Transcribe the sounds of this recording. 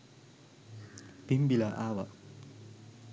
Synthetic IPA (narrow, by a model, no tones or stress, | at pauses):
b̥imbilaʔawa̰ʔ